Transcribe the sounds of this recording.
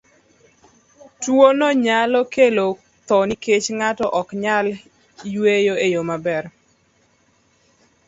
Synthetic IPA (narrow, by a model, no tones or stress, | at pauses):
twonɔɲalɔkelo | t̪ɔniket͡ʃŋatɔʔɔkɲal | jwejoejomabɛr